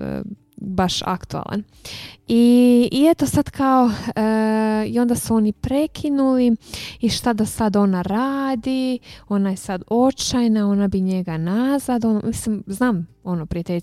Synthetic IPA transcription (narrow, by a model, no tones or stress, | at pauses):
baʃa̰kt̪ua̰la̰n | iːet̪o̞sad̪̥kao̞ | io̞nd̪asuo̞nipɾe̞kʰinuliiʃt̪ad̪asad̪o̞naɾaːd̪io̞najesad̪o̞t͡ʃajnao̞nabiɲe̞ɡanazad̪onomislimznaːm | o̞nopɾiat̪eʎ